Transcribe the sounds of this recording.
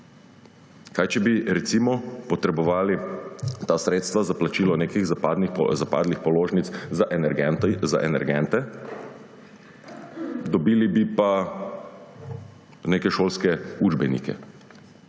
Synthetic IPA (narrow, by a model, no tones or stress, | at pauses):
kaːjt͡ʃɛbiɾɛt̪siːmɔpɔt̪ɾɛbɔʋaːlit̪asɾeːt̪st̪ʋazaplat͡ʃiːlɔneːkixzd̪nixzapa̰ːd̪lixpɔloːʒnit̪szaʔ | za̰ʔɛnɛɾɡɛnt̪ɛ | d̪ɔbiːlibipa | neːkɛʃoːlskɛud͡ʒbɛnḭːkɛ̰